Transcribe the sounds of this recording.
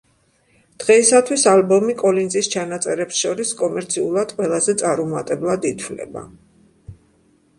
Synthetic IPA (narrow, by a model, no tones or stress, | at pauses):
d̪̥ʁɛisat̪ʰwisalbɔmikʼɔlinzʼist͡ʃʰanat̪sʼɛɾɛpsʃɔɾiskʼɔmɛɾt̪sʰiulˠad̪̥qʼwɛlˠazɛt̪sʼaɾumat̪ʼɛblˠad̪it̪ʰwlɛ̰ba̰